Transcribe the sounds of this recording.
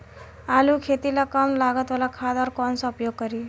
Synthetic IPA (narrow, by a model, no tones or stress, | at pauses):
aluːkʰet̪ilakəmlaɡət̪ʋəlakʰad̪ɔɾkɔnsaupjoɡ̚kəɾi